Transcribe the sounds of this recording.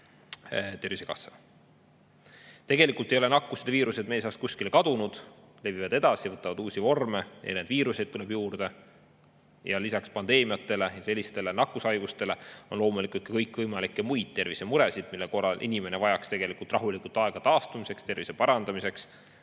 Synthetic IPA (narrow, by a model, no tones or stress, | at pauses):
t̪e̞ɾvisekɑ̰sːe | t̪e̞ɡe̞likˑult̪ˑe̞jo̞lenɑkːˑused̪viːɾuse̞d̪̚meːsɑst̪̚kusʲkilekɑd̪̥unud̪̥ | le̞vivɑd̪̥e̞d̪̥ɑsijɑvɤt̪ːˑɑvɑd̪̥uːsʲivo̞rme̞ḛneːd̪̥viːɾuse̞d̪̥̚t̪uleb̥juːrd̪̥e̞ | jɑlisɑkspɑnd̪e̞ːmijɑt̪ːˑe̞le̞jɑse̞lʲːist̪e̞lenɑkːˑusɑjɡ̥ust̪e̞le̞o̞nlo̞ːmulikut̪kekɤjkːˑvɤjmɑlikːˑemujd̪̥̚t̪ːe̞rvisemuɾe̞sid̪̥milːeko̞rːɑlʔḭnʲime̞ne̞vɑjɑkst̪e̞ɡ̥e̞likult̪ˑrɑɦulikˑult̪ːɑe̞ɡ̥ɑt̪ɑːst̪umise̞kst̪e̞rvise̞pɑɾɑnd̪̥ɑmise̞ks